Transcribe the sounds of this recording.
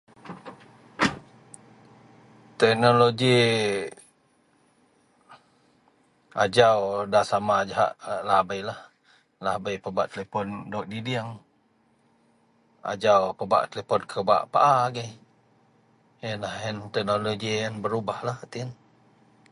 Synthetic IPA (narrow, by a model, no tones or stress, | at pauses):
t̪ɛk̚noloɡi | a̰d͡ʒawdasamad͡ʒaɦa̰ʔlahbajlah | lahbajpəba̰ʔt̪əlepɔndɔk̚didiaŋ | a̰d͡ʒawpəba̰ʔt̪elepɔnkʰəba̰ʔpa̰ʔaɡɛj | janlahjant̪ɛk̚noloɡijanbəɾubahlaht̪iən